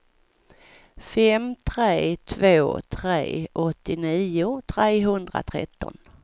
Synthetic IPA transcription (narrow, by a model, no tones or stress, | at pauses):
fɛmt̪ʰɾeːt̪ʰvoːt̪ʰɾḛːʔɔt̪ːɪniːʊt̪ʰɾeːɦɵnd̪ɾa̰t̪ʰɾɛ̰t̪ːɔ̰n